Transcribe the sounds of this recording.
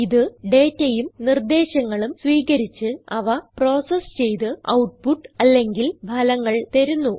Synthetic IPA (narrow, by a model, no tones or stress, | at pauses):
iðɨɖe̞ːtːejumnird̪e̞ːɕɐŋːɐɭumsʋiːkɐɾit͡ɕːɨɐʋɐpro̞ːsɐst͡ɕe̞jt̪ɨɐ̰wʈ̚puʈːɐlːe̞ŋɡilbʱɐlɐŋːɐɭt̪ɐɾunːu